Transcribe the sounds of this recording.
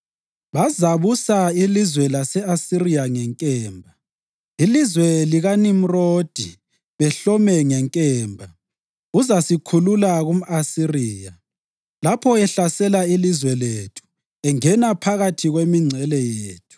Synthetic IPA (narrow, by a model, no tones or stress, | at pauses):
βazaβusailizwɛlasɛasirijaŋɛŋkʼɛːmbʱa | ilizwɛliɣanim̩roːd̥ʱi | βɛɬɔmɛŋɛŋkʼɛːmbʱa | uzasikʰululaɣum̩asiriːja | lapʰɔɛɬasɛlailizwɛletʰu̥ | ɛŋɛnapʰaɣatʰiɣwemiŋ͡ǀʱɛlɛjeːtʰu̥